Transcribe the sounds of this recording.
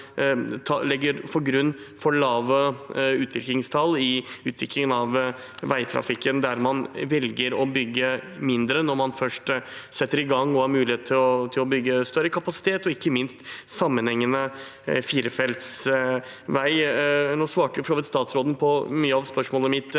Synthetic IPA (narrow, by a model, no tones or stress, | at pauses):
t̪ʰɑlɛɡːəɾpʰɔɾɡɾʉnː | fɔɭɑːʋəʉːt̪ʰʋɪklɪŋst̪ʰɑlːɪʉːt̪ʰʋɪklɪŋənɑʋ | ʋæɪt̪ʰɾɑ̰fɪkːənd̪æɾmɑnʋɛlɡəɾɔbʏɡːəmɪnd̪ɾənɔɾmɑnfœʂʈsɛt̪ːəɾɪɡɑŋːɔhɑɾmʉːlɪheːt̪ʰɪlɔt̪ʰɪlɔbʏɡːəst̪œɾəkʰɑpɑsɪ̥t̪ʰeːt̪ɔɪkːəmɪnst̪sɑmːənhɛŋːənə | fiːɾəfɛlt̪s | ʋæɪnoːsʋɑːʈəjʊfɔɾʂoːʋɪt̪st̪ɑːt̪sɾoːd̪npʰɔmyːəɑʋspœʂmoːləmɪt̪ː